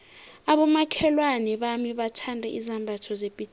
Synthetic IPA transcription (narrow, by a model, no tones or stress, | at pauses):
aɓɔmakʰɛlwanɛɓamiɓatʰandʱɛʔizambʱatʰɔzepʼit